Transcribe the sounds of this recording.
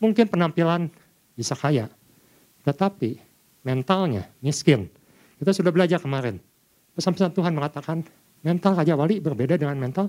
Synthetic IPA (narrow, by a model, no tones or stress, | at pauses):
muŋkɪnpənampilan | bisakajaʔ | t̪ət̪api | mɛnt̪alɲa̰miskɪn | kit̪asudahbəlad͡ʒarkəmaɾɛn | pəsampasant̪uɦanməŋat̪akan | mɛnt̪alrad͡ʒawalibərbedadəŋanmɛnt̪al